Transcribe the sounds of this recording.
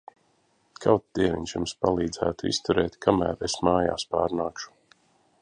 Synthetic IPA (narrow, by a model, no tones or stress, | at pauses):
kʰawt̪d̪iɛvʲḭɲʲʃjumspalˠiːd̪zæːt̪uḭst̪uɾɛːt̪kʰamæ̰ːɾesmaːja̰ːspa̰ːɾnaːkʃu̥